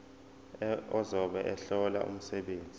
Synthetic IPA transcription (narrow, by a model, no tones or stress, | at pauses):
ɔzɔɓɛʔɛɬɔla̰ʔṵm̩sɛɓeːnd͡zʱi